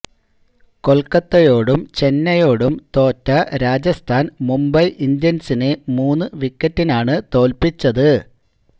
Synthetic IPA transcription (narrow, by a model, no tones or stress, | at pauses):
ko̞lkɐt̪ːɐjo̞ːɽumt͡ɕe̞nːɐjo̞ːɽumt̪o̞ːtːɐɾaːd͡ʑɐst̪ʰaːnmumbɐjʔind̪jɐnsinemuːnːɨʋikːɐtːinaːɳɨt̪o̞ːlpit͡ɕːɐðɨ